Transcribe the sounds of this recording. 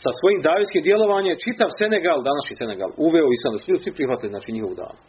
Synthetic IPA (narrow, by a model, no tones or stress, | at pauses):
sasʋo̞jiːmd̪aːʋiskiːmd̪je̞lo̞ʋaːɲemt͡ʃit̪aʋse̞neɡalˠd̪anaʃɲiseneɡa̰ːlˠuʋeoisand̪asuʎuːd̪sʋipɾixʋat̪iliznaːt͡ʃiɲixoʋud̪a̰ːn